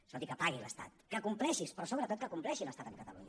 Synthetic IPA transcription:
sot̪ikəpaɣilə̰st̪a̰t̪kəkumplɛʃispɾɔsoβ̞ɾət̪ot̪kəkumplɛʃiləst̪at̪əŋkət̪əlṵɲ

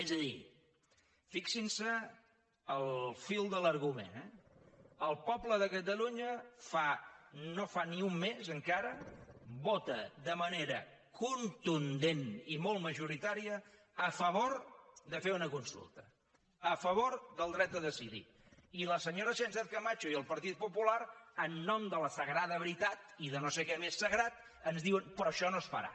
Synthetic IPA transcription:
ɛzəðḭ | fiksinsə | əlˠfilˠd̪ələɾɣumḛnɛ | əlˠpɔbləðəkət̪̬əluɲəfanofaniumːezəŋkaɾəbɔt̪əðəməneɾə̰ | kunt̪und̪enimɔlˠt̪məʒuɾit̪aɾiəː | fəβoɾðəfeunəkunsṵlˠt̪ə̥ | əfəβ̞oɾðəlˠd̪ɾɛt̪̚d̪əðəsiðḭ | iləsəɲoɾəʃɛnsɛθkəmat͡ʃuiəlˠpəɾt̪it̪̚pupulaɾənːɔmd̪ələsəɣɾaðəβɾit̪at̪iðənosekɛmesːəɣɾat̪ | ənzðiwənpɾɔʃɔnosfə̰ɾa̰

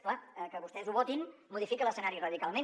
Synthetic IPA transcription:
klaəkəβust̪ɛzuβɔt̪inmuð̞ifikələsənaɾirəðikalˠme

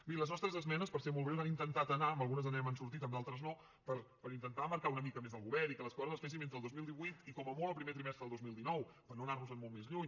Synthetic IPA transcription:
biləznɔst̪ɾəzəzmɛnəspəɾsemolˠβɾewzanint̪ənt̪at̪ənaəməlˠɣunəzənɛmənsuɾt̪it̪əmdalˠt̪ɾəzno | pəɾpəɾint̪ənt̪aməɾkaunəmikəmezðəlˠɣuβɛɾikələskɔɾəzəsfes̬iment̪əːlˠd̪ozmilˠd̪iβujt̪ikɔməmoləpɾimet̪ɾimɛst̪ɾəðlˠd̪ozmilˠd̪inɔwpəɾnoənarnuzəmmolˠmezʎuɲ

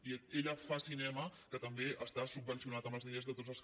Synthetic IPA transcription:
ieʎəfasinɛməkət̪əmbeʔəst̪asub̚bənsiunat̪əmbəlˠzðeəzðət̪otzəlˠs

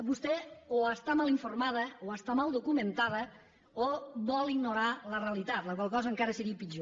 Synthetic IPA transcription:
bust̪ɛoəst̪amaliɱfuɾrmað̞əoəst̪amalˠd̪ukumənt̪að̞ə | oβɔlˠiɡnuɾaləreəlit̪at̪ləkwalˠkɔzəːŋkaɾəsəɾiəpid͡ʒo

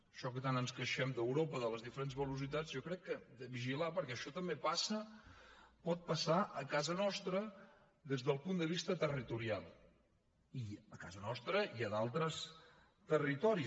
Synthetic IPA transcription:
əʃɔkət̪anənskəʃɛmd̪əwɾopəðələzðifəɾenzβəlusit̪ad͡zjɔkɾɛkːəd̪əβiʒilapəɾkɛəʃɔt̪əmbepasə | pɔt̪̚pəsaʔəkazənɔst̪ɾə | ðezðəlˠpund̪əβist̪ət̪ərit̪uɾialˠ | iəka̰zənɔst̪ɾəiəðalˠt̪ɾəs | t̪ərit̪ɔɾi

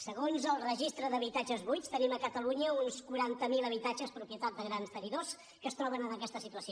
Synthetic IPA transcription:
səɣonzəlˠrəʒist̪ɾəðəβ̞it̪ad͡ʒəzβujst̪əniməkət̪əluɲəunskuɾant̪əmilˠəβ̞it̪ad͡ʒəspɾupjət̪at̪̚d̪əɣɾanst̪əniðos | kəst̪ɾɔβənənəkɛst̪əsit̪uəsio

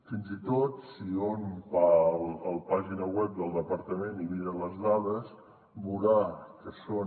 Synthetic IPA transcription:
finzit̪ot̪sionpələlˠpaʒinəwɛp̚d̪əlˠd̪əpəɾt̪əmeniβiɾələzðað̞əs | buɾakəso

